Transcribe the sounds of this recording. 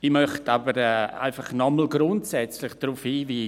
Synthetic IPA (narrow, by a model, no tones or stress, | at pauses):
imœχtʰabəɾɛːa̰ɪfɑχnɔml̩ɡɾʊntsɛt͡slɪχd̥ɾufhiːviː